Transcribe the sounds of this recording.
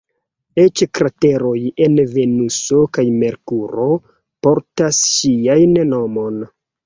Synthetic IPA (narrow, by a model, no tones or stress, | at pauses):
e̞t͡ʃkɾate̞ɾo̞je̞nve̞nuso̞kajme̞ɾkuɾo̞ | po̞ɾtasːiajnno̞mo̞n